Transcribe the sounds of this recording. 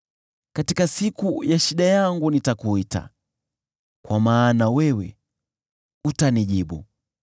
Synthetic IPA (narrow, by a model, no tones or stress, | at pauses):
katikasikujaʃiɗajaŋɡunitakuita̰ | kwamaːnawɛwɛ̰ | utaniʄiɓṵ